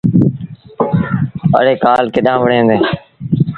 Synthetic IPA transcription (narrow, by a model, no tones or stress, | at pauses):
ə̰ɽeːkaːlkɪɗãːʋəɽẽːnd̪eː